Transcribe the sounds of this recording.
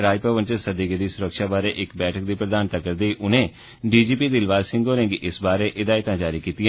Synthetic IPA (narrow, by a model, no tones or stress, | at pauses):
ɾaːjpɾəʋənt͡ʃəsəd̪ɪɡəd̪iːsʊɾəkʃaːbaːɾeːʔɪkbɛːʈʰək̚d̪iːpɾəd̪aːnt̪aːkəɾd̪eːiːʔʊnẽː | ɖiːd͡ʒiːpiːd̪ɪlʋaːzsɪ̃ŋɡoːɾɛ̃ŋɡʔɪsbaːɾeːʔɪd̪aːɪt̪ãːd͡ʒaːɾiːkiːt̪ɪjãː